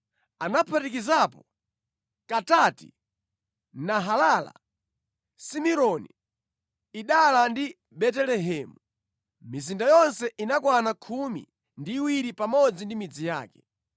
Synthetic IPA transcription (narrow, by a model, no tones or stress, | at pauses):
anapʰatikizapɔ | katatḭ | naɦalala̰ | simiɾɔni | iɗalandi | ɓɛtɛlɛɦɛːmu | mizindajɔnsɛʔinakwanakʰumḭ | ndiːwiɾipamɔd͡zindimid͡zija̰ːkɛ̥